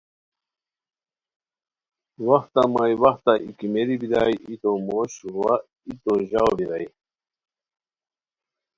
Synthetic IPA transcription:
waxt̪amajwɐxt̪aikimeɾibid̪a̰jit̪omoɕwa | it̪oʑawbiɾaj

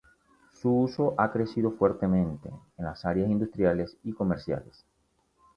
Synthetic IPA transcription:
suuso̞ʔakɾe̞siðo̞fwe̞ɾt̪e̞mẽnt̪e̞̰ːnlasaɾjasind̪ust̪ɾjale̞siko̞meɾsja̰les

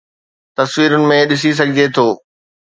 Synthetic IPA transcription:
t̪ɐsʋiːɾʊnɪ̆mẽɗɪs̬is̬ɐɡʱɪd͡ʑet̪ʰoː

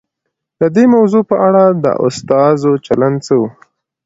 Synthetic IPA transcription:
d̪əd̪emawzopəʔaɽad̪ə̰ʔʊ̰st̪ɑzot͡ʃaland̪t͡səwu

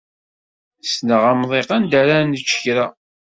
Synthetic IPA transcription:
snəʁæmðˤeqand̪æɾænət͡ʃːçɾa

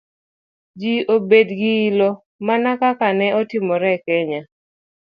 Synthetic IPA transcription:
d͡ʒiobedɡɪːlɔ | manakakanɛɔtɪmɔɾɛkɛɲa

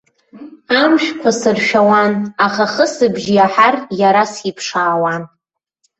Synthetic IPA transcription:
amʃᶣkʷʰasɨrʃᶣawanaχaχəsɨbʒjaħarjaɾasipʰʂaːwan

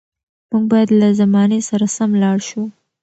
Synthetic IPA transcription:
muɡ̚bɑjad̪lazamɑnesaɾasamlɑɽʃu

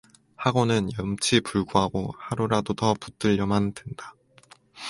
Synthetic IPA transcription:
haɡonɯnjʌmt͡ɕʰipuɭɡuɦaɡohaɾuɾadotʌput͈ɯʎːʌmandwe̞nda

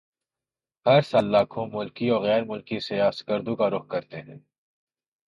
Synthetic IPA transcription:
ɦɐɾsaːlːaːkʰõmʊlkiɔːɾɣɛːɾmʊlkisejaːsɡəɾd̪ũkaɾʊxkɐɾt̪eɦɛ̃ː

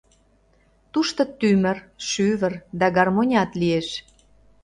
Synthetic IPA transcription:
t̪uʃt̪ŏt̪ymə̆rʃyβərd̪æɡɑrmonʲɑt̪lieʃ

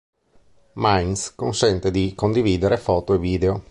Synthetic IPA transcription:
majnskonsɛnt̪ed̪ikond̪iviːd̪eɾefɔːt̪oeviːd̪eo

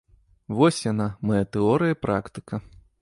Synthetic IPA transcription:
vɔsʲjanamɐjɐt̪ɛɔɾɨjɐpɾʔakt̪ɨ̥kɐ

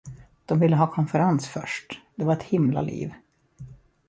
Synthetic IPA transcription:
d̪̥ɔmvɪlːəɦɑːkʰɔnfɛɾansfœ̰ʂʈd̪̥ɛvaɾɛt̪hɪmla̰lḭːv

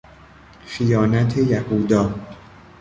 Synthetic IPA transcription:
xijɒːnæt̪ʰejæhuːd̪ɒː

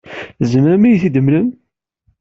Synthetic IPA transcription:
zənɾæmijθid̪əmləm

